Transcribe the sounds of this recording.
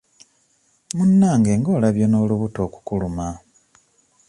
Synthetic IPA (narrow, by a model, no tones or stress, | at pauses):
munːaːŋɡe̞ːŋɡo̞ːlaβjo̞no̞ːluβuto̞ːku̥kuluma